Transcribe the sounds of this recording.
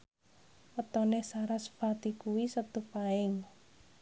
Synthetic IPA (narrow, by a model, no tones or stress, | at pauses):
wət̪ɔnesaɾasə̥fat̪ikuwisət̪upaɪŋ